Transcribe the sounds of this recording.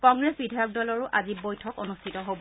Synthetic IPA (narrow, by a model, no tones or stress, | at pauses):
kɔŋɡɹesbidʱajɔk̚dɔlɔɹʊʔʔazibojtʰɔkonustʰitɔɦobɔ